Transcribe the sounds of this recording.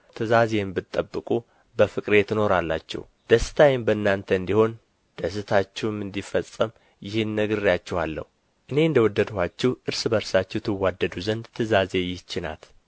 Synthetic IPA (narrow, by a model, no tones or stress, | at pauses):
t̪ʰɨzazembɨt̪ʼːəbːɨkʼu | bəfɨkʼɾe̞t̪ɨno̞ɾalːat͡ʃːɛ̰h | d̪̥əsɨ̥t̪ʰajɪmbəɨnːant̪ʰəɨnd̪iho̞n | d̪̥əs̬ɨt̪ʰat͡ʃːɛwmɨnd̪ifəsʼːəm | jɪhɪnːəɡɨrjat͡ʃːɛhalːə̰hu | ʔɨne̞ɨnd̪əwɔd̪ːəd̪hat͡ʃːɛwʔɨɾsɨbəɾsat͡ʃːɛht̪ʰɨwːad̪ːəd̪uzənd̪t̪ʰɨzaze̞jɪht͡ʃːɪna̰t̪